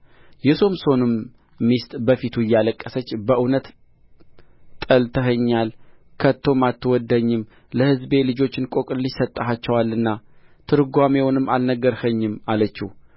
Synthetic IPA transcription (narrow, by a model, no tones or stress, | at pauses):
jɛsomso̞nɨmː | ist̪ʼbəfit̪ʰuɪjːaləkʼːəsət͡ʃːbəʔɨnət̪ | t̪ʼəlt̪ʰəɦəɲːalkʰət̪ʰːo̞mat̪ʰːɨwɔd̪əɲːɪm | ləhɨzbe̞lɨd͡ʒo̞t͡ʃːɪnkʼo̞kʼɨlːisət̪ʼːəɦat͡ʃːɛwalːɨnːat̪ʰɨɾɡʷamewnɨmːalnəɡːəɾhəɲːɪmalət͡ʃːih